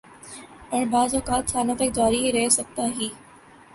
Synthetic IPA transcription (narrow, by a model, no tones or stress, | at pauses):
pɐɳ̃baːzoːkaːt̪saːnofɪk̚d͡ʑaːɾiɾɐɦesɐɡ̚t̪aɦiː